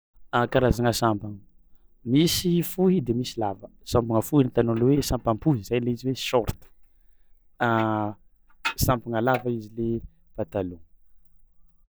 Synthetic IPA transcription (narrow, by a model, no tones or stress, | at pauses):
akaɾazaŋəsampaŋə | misifuɦid̪emisilavə | sãmpaŋəfuɦinit̪anolewesampampuzizajleiziwesɔɾt̪ə̥ | sampaŋəlavaizile | pat̪alo